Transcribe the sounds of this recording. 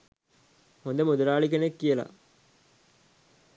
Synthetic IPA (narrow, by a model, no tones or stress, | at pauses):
hund̪emud̪uɾaːɭik̬enekːijəlɐ̰